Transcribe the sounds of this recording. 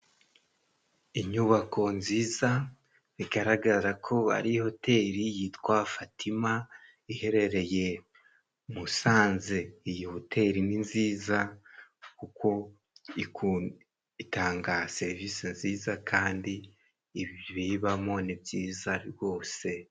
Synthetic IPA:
iɲuβako̞nziːza | βiɡaɾaɡaɾakʰo̞a̰ɾiho̞tʰe̞ːɾijitwafatʰima | ihe̞ɾe̞ɾe̞je̞ | musaːnzeijihotʰe̞ɾininziːza | kuko̞ | ik | itaːŋɡase̞ɾivisinziːzakʰaːndiː | βiβiβamo̞nibjiːzaɾiɾɡo̞ːse̞

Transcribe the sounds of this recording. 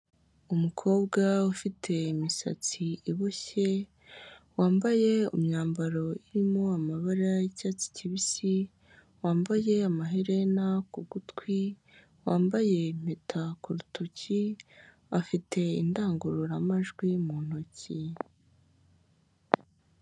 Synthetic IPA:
umukʰo̞ːbɡaufitʰe̞imisa̰t͡siiβuçe̞ | waːmbaje̞ṵmɲaːmbaɾo̞iɾimo̞amaβaɾajicaːt͡si̥ciβisi | waːmbaje̞amaɦeɾenakubɡutkwi | waːmbaje̞n̥etʰakuɾutʰoci | afitʰe̞ḭndaːŋɡuɾuɾamaʒɡwimun̥oci

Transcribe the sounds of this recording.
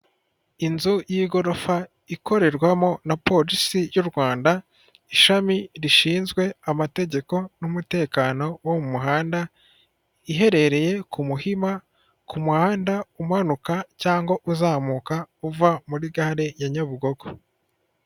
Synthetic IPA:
inzujiːɡo̞ɾo̞fa | ikʰo̞ɾe̞ɾɡwamo̞napo̞ɾisijuɾɡwaːnda | iʃamiɾiʃiːnzɡwe̞amate̞ɟe̞ko̞numute̞ːkaːno̞womumuɦaːnda | iɦe̞ɾe̞ɾe̞je̞kʰumuhima | kumuhaːndaumuhanukacaːŋɡo̞ʔuzaːmuːkauvamuɾiɡaɾejaɲaβuɡo̞ɡo

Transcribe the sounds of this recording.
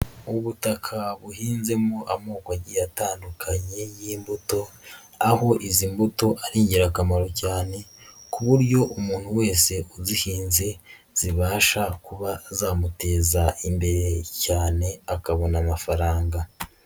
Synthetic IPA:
uβutakʰaβuhiːnze̞moʔamoːkaɟijataːndukʰaɲe̞jiːmbuto̞ | aho̞ʔizimbuto̞ʔaɾiːɲɟiɾakamaɾo̞caːne̞kuβuɾɟo̞ʔumuːn̥huwe̞ːse̞ozihiːnze̞ | z̥iβaːʃakuβazaːmute̞ːzaimbe̞ɾe̞caːne̞akaβo̞namafaɾaːŋɡa

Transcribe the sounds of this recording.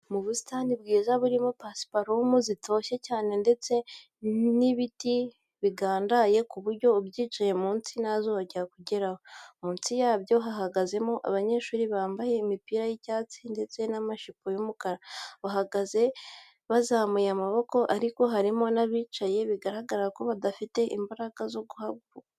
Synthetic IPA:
muβusi̥taːndibɡiːzaβuɾimo̞pasi̥paɾomuzito̞ːçe̞caːne̞nde̞t͡se̞ | niβiti | βiɡaːndaje̞kuβuɾɟo̞bjiːt͡ʃaje̞muːnt͡sinazoβaɟiɾakuɟe̞ɾahomuːnt͡sijaːβjo̞ɦaɦaɡaze̞mo̞ʔa̰βaɲe̞ːʃuːɾiβaːmbaje̞imipiːɾajicaːt͡sinde̞t͡se̞namaʃipojumukaɾaβaɦaɡaze̞ | βazaːmujamaβo̞ko̞ʔaɾiko̞ɦaɾimo̞naβiːt͡ʃaje̞βiɡaɾaɡaɾako̞βadafite̞ʔimbaɾaɡazo̞ɡuhab̚ɡo

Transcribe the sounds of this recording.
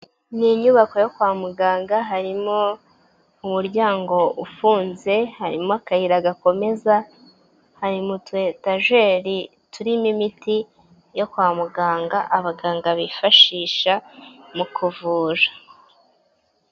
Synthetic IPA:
niɲuβako̞jo̞kwaːmuɡaːŋɡaɦaɾimo̞ | umuɾɟaːŋɡo̞ufuːnze̞haɾimoakahiɾaɡako̞me̞za | haɾimutwe̞taʒe̞ːɾi | tuɾimimiti | jo̞kwaːmuɡaːŋɡaʔaβaɡaːŋɡaβifaʃiːʃamukʰuvuːɾḁ

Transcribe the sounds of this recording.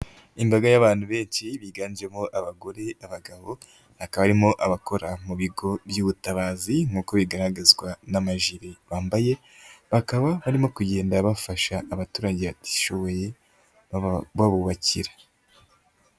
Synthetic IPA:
imbaɡajaβaːn̥huβe̞ːnt͡ʃiβiɡaːnd͡ʒemoʔaβaɡo̞ɾe̞aβaɡaβo̞ | hakaβaβaɾimo̞ʔaβako̞ɾamuβiɡo̞βjuːβutaβaːziŋ̥uːko̞βiɡaɾaɡazɡwanamaʒiɾiβaːmbaje̞ | βakaβaβaɾimo̞kuɟe̞ːndaβafaʃaːβatuːɾaɟe̞βati̥ʃo̞βo̞je̞ | βaβuβaciɾḁ

